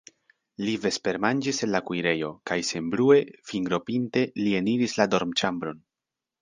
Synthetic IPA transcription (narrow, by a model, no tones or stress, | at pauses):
live̞spe̞ɾmand͡ʒise̞nlakujɾe̞jo̞kajse̞mblue̞fiŋɡɾo̞pinte̞lie̞niɾislado̞ɾmt͡ʃambɾo̞n